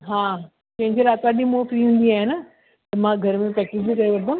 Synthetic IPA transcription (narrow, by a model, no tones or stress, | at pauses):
ɦãː | t͡ɕɐ̃ɦɪ̃ɲd͡ʑeɾaːt̪aːɗĩmofɾiɦũːnd̪iaːɦenə | t̪ɐmãɡʱɐɾmẽpɾɛːkɪd͡ʑbikɐɾeʋɐɾd̪əm